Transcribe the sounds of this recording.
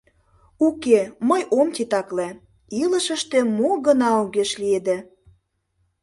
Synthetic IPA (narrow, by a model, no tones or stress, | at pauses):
ukeməjomt̪ʲit̪ɑkle | iləʃə̆ʃt̪emoɣənɑuɣeʃlied̪e